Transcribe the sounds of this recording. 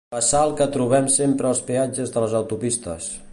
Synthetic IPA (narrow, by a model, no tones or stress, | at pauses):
pəsaəlˠkət̪ɾuβ̞ɛmsempɾəːlˠspead͡ʒəzðələzəwt̪upist̪ə̰s